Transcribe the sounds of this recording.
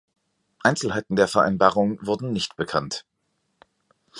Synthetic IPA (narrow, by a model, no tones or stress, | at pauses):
ʔaɪnt͡sl̩haɪtn̩deːɐfɛɐʔa̰ɪnbaːʁʊŋvʊɐdn̩nɪçtb̥əkʰant